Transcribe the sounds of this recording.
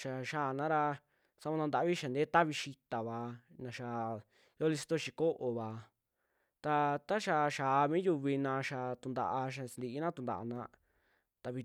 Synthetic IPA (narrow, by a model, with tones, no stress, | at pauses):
ʃa˨ʃaː˦˨nã˦ɾa˧ | sa˧βa˧nã˧d̪a˧˦βi˦ʃa˨nd̪e˦t̪a˦βi˧ʃi˧t̪a˨βa˨nã˧ʃa˧˨ | jo˦li˧s̬i̥˧t̪o˦ʃi˧ko˦ʔo˨βa˨ | t̪a˧t̪a˦ʃa˧ʃaː˨˧mĩː˦ju˧βi˧nã˧ʃa˨t̪u˧nd̪a̰˧ʔa˧ʃ̬a˧si˧nd̪i˧i˦nã˦t̪u˧nd̪a̰˨a̰˧nã˧ | t̪a˧βi˧